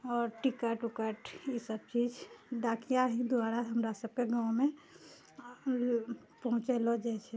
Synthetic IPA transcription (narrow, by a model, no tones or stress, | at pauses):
ɔːɾʈikəʈʊkəʈjisəb̚t͡ʃiːd͡ʒd̪aːkijaɦid̪ʊaːɾaɦəmɾasəb̚keɡãːʊ̃mẽ | pəɦʊ̃t͡ʃelod͡ʒɛt͡ʃʰe